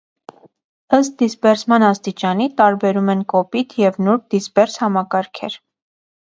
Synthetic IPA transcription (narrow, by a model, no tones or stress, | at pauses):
əst̪̚d̪isbɛɾsmɑnɑst̪it͡ʃɑnit̪ɑɾbɛɾumɛnkɔpit̪ʰjɛvnuɾd̪̥isbɛɾshɑmɑkɑɾkʰɛ̰ɾ